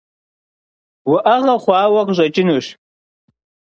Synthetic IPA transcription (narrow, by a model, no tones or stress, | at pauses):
waʔaʁaχʷaːwakʼʒʷat͡ʃʼɪnuʃ